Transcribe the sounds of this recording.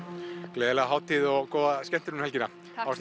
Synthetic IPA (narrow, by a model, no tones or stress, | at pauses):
kleːðelɛɣaɦaːwt̪iːðɔɣkoːwðascɛn̥t̪ʏɾʏmhɛlcɪna | aws